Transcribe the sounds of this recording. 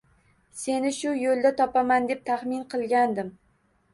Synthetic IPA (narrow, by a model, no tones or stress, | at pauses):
se̞nɪʃʊjolˠd̪at̪ʰɒpamand̪e̞p̚t̪ʰaχmɪnqʰɨlˠɡʲand̪ɪm